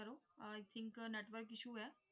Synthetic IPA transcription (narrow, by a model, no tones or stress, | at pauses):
əɾoːjt̪ʰɪ̃ŋkneːʈʋəɾkɪʃuːɦɛː